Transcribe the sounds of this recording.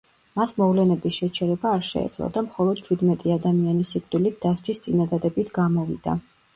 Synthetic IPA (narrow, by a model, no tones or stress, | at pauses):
masmɔvlɛnɛbisʃɛt͡ʃʰɛɾɛbaːɾʃɛ̰ɛ̰d̪z̥lˠɔ̰d̪amχɔlˠɔd̪̥t͡ʃʰud̪mɛt̪ʼiad̪amianisikʼt̪d̪ʼilit̪̚ʰd̪̥asd͡ʒist̪sʼinad̪ad̪ɛbit̪ʰɡamɔvḭd̪a̰